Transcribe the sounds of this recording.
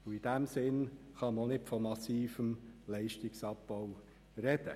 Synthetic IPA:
ʊid̥æmsɪnχɑmnɪtfɔmɑsiːfəmlɛɪʃtɪksɑp̚b̥ɔw | rɛd̥ə

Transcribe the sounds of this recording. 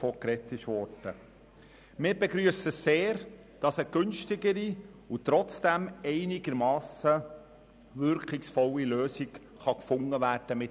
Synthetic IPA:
fɔkɾɛtːɪʃʋɔɾd̥ə | mɪːɾbɛɡɾyəsəseːɾ | d̥ɑsəɡ̥ʏnʃtɪɡəɾi | utɾɔt͡sd̥æmɛɪnɪɡəɾmɑːsə | ʋʏɾkʰɪksfɔlːiløːsɪɡ | χɑkfʊŋːəʋæːrd̥əmɪ

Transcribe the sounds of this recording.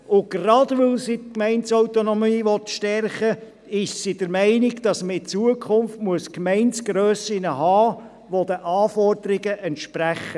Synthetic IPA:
ʊɡ̥rɑdʋɵlsitkmɛɪntsɔwt̪onɔmiːʋɔt̪ʃtɛrχə | ɪʃsid̥əɾmɛɪnɪɡd̥ɑsməɪt͡suəkʰʊmftmuəskmɛɪntsɡ̥ɾøːsɪnəɦɑː | ʋod̥̪əʔɑːfɔrd̥̪əɾɪɡəʔɛntʃpræχːə

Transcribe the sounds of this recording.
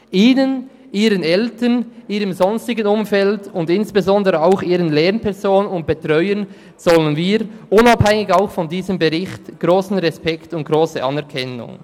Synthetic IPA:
ʔiːnən | ʔiːɾənɛltəniːɾəmzɔnstɪɡənʊmfɛltʊndɪnsb̥ezɔndəʁəaʊxiːɾənlɛɾnpʰɛɾzoːnənʊnt̚b̥etʁɔʏən | z̥ɔlənviːɾʔʊnɑphɛŋɪɡaʊxfɔndiːzəmbeʁɪxtɡ̥ʁoːsn̩ʁɛspɛktʊnt̚ɡ̥ʁoːsəʔɑ̰nɛɐʁkʰɛnʊ̰ŋ

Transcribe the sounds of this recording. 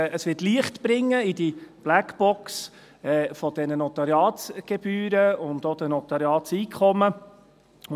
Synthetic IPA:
əsʋɪtliəχtb̥ɾɪŋːəidib̥lækb̥ɔks | ɛːfɔd̥ɛnənɔt̪ɑɾjɑːtɡ̥eb̥yːɾəʊndoːd̥̪ənɔt̪ɑɾjɑːtsiːkʰχɔmə

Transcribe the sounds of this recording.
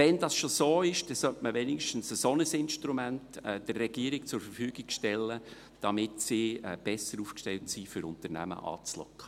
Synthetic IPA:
ɛndɑsʃosoːɪʃd̥ɛsœtməʋɛnɪkʃtən̩səsonəsɪnʃtɾumæntɛːd̥ərːɛɡ̥iəɾɪk̚t͡sʊɾfərfyːɡɪɡʃtɛlːə | d̥ɑmɪtsiɛb̥ɛsəɾuːfkʃtɛltsiːfʏɾʊntəɾnæ̰mə̰ʔɑ̰ːt͡slɔ̰kʰχə̥

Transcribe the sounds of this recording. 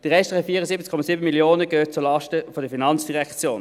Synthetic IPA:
d̥əʁɛʃtʁɛfiːʁəzibət͡skʰɔmɑziːbənmiljoːnəɡ̥øːt̚t͡suɐlɑʃtəfodəfinɑnt͡sd̥iʁɛkt͡sjoːn

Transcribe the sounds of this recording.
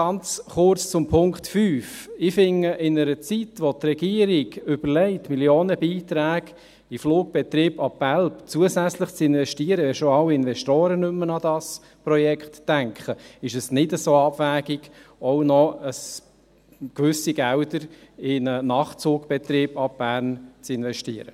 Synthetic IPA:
ɑnt͡sχʊɾt͡st͡sʊmpʰʊŋkχtfyːfɪfɪŋːəʔɪnəɾət͡sitʋɔt̪rɛɡ̥iəɾɪɡʏb̥əɾlɛɪtmiljoːnəbiːt̪ɾæːɡ | ɪfluːɡ̚b̥ɛt̪ɾiːbɑpːælpt͡suəzæt͡slɪχt͡sɪnvɛʃtiəɾəʋɛʃoɑwɪnvɛʃtoːɾənʏmːənɑdɑs | pɾɔjɛkχt̪ːæŋkχəɪʃɛsnɪdəsoːɑbvæːɡɪɡ̥ɔwnɔəs | kʋʏsiɡ̥æwdəɾɪnənɑːχt͡suːɡb̥ɛt̪ɾiːb̥ɑb̥æːɾnt͡sɪnvɛʃtiəɾə

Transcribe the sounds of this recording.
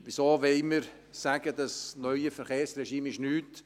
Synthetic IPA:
b̥ɪsoːʋɛɪməɾ | saːɡədɑsnœʏəfɛɾχeːrsrɛʃiːmɪʃnyːt

